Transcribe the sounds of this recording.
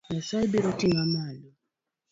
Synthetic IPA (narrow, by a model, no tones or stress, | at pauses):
nasaibiɾɔtiŋamalɔ